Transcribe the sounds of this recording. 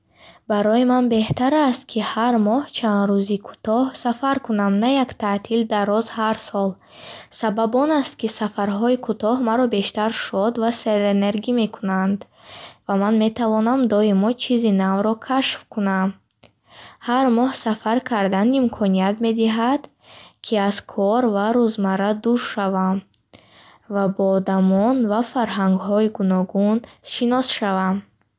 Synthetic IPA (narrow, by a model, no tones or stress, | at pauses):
baɾɔimanbe̞ht̪aɾast̪̚kʰihaɾmɔht͡ʃʰand̪ɾuzikʰu̥t̪ɔhsafaɾkunamnajakt̪ʰat̪ʰild̪arːɔzhaɾsɔl | sababɔnast̪kisafaɾɦɔikʰut̪ɔɦmaɾɔbe̞ʃt̪aɾʃɔd̪vaseɾene̞ɾɡime̞kʰunand̪ | vamanme̞t̪ʰavɔnamd̪ɔimɔt͡ʃʰizinavɾɔkʰaʃfkʰunam | haɾmɔhsafaɾkʰaɾd̪animkʰɔniat̪me̞d̪iɦad̪̥ | kʰiaz̥kʰɔɾvaɾuzmaɾad̪uɾʃavam | vabɔːd̪amɔnvafaɾɦaŋɡɦɔiɡunɔɡunʃinɔsʃavam